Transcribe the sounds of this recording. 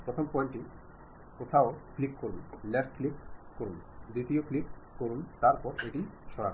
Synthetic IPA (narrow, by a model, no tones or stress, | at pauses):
pɾot̪ʰompɔiɳʈi | kot̪ʰaoklikkoɾunlɛʈklikkoɾun | d̪ɾit̪ioklikkoɾunt̪aɾpɔɾeʈiʃɔɾa̰k